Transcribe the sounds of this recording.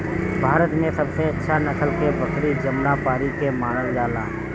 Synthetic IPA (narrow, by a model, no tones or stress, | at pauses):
bʱaːɾət̪mẽːsəbseətːʃʰaːnəkʰəlkebəkɾiːd͡ʒəmɽaːpaːɾiːkeːmaːnəld͡ʒaːlãː